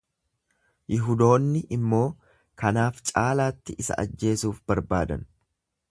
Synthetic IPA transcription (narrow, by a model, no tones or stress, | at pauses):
jɪɦʊd̪o̞ːnːɪʔɪmːo̞ː | kɐnaːft͡ʃʼaːlaːt̪ːɪʔɪsɐ̰ʔɐ̰d͡ʒːe̞ːsuːfbɐɾbaːd̪ɐ̰n